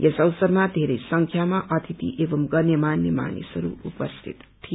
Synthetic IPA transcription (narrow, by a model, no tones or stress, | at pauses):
jesʌwsʌɾmad̪ʱeɾʌjsʌŋkʰjamaʔʌt̪ʰit̪ḭʔebʌmɡʌnjemanːjema̰nḭsʌɾṵupʌst̪ʰḭt̪ːʰi